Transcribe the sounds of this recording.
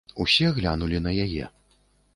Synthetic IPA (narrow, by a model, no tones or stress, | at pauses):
usʲɛɣlʲanulʲinɐjajɛ̰